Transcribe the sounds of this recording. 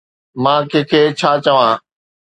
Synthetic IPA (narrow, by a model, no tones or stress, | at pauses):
mãːkeːkʰeːt͡ʃʰaːt͡ʃəʋãː